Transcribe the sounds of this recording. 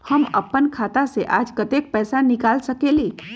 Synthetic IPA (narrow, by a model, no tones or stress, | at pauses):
həmə̰pːənkʰaːt̪aseʔaːd͡ʒkət̪ek̚pɛːsanɪkaːlsəkeliː